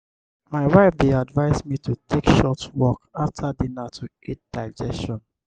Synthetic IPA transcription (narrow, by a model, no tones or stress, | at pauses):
maɪwaɪfdeadvaɪzmitʰutʰekʃɔtwɔkaftʰadinatʰu | et̚d̥aɪd͡ʒɛstɔ̃n